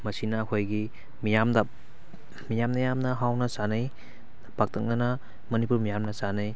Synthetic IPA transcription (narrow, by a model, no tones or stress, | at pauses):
mɐsinɐːkʰojɡi | mijamdɐ | mijamnɐjamnɐɦawnɐsanɐj | pʰak̚tʰɐk̚nɐnɐ | mɐnipuɾmijamnɐsanɐj